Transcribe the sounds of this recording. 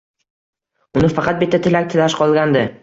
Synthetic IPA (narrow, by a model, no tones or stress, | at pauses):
ʊnɪfɑqɑt̪̚bɪt̪ːat̪ʰɪlak̚ʲt̪ʰɪlaʃqʰɒlˠɡʲand̪ɪ